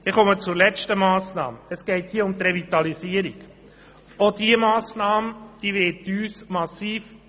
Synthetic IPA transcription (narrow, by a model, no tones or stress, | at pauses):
ɪχɔmət͡sʊlɛt͡ʃtəmɑːsnɑ̰ːməəsɡ̥ɛɪthiːəʊmt̪rɛvit̪ɑlisiəɾik | od̥iəmɑːsnɑːməd̥iːʋɛːtyːsmɑsiːf